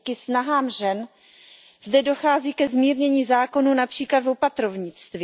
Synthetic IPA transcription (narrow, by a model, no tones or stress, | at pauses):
kɪsnaɦaːmʒɛn | zdɛdo̞xaːziːkɛzmiːɾɲɛɲiːzaːko̞nuːnapr̥iːklad̪vo̞pat̪ɾovɲɪt͡st̪vɪ